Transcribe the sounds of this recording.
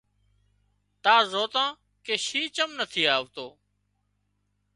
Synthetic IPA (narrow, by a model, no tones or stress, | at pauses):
t̪aːzoːt̪ãː | keːʃiːt͡ʃəmnət̪ʰiːaːʋt̪oː